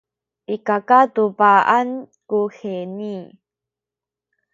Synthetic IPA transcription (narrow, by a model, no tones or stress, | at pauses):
ʔikakatupaʔankuxeni